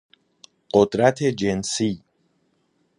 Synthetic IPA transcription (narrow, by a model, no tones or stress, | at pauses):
ɢ̥od̪ɾæt̪ʰe̞d͡ʒensiː